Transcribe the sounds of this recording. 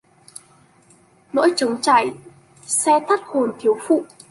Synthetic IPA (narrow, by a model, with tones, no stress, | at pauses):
no̰˧˥jt͡ɕə˨˦ŋ͡mt͡ɕa̰ː˧˩˨j | sɛ˧t̪ʰa˦˥k̚ho˨˩nt̪ʰi˨˦əwfṵ˧˨